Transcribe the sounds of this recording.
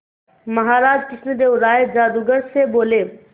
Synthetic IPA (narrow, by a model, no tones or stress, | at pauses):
mɐɦaːɾaːd͡ʒkɪsnəd̪eːʋɾaːjed͡ʒaːd̪uɡəɽseboːleː